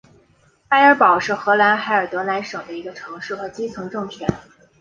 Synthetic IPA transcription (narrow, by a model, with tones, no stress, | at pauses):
xa˥ɪə˞˧˥pɑ˨˩ʊʂɻ̩˥˩xɤ˧˥la˧˥nxa˧˥ɪə˞˨˩t̪wɤ˧˥la˧˥nʂɤ˨˩d̪ə˦i˧˥ɡə˧ʈ͡ʂʰɤ˧˥ŋʂɻ̩˥˩xɤ˧˥t͡ɕi˥t͡sʰɤ˧˥ŋʈ͡ʂɤ˥˩ŋpʰɥɛ˧˥n